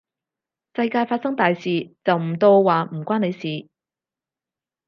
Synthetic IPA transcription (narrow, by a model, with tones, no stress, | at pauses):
sɐ˧jkaː˧jfaː˧t̚sɐ˥ŋt̪aː˨jsiː˨˩t͡sɐ˨wm̩˨˩t̪o˧wwaː˨m̩˨˩kʷaː˥ne˨˧jsiː˨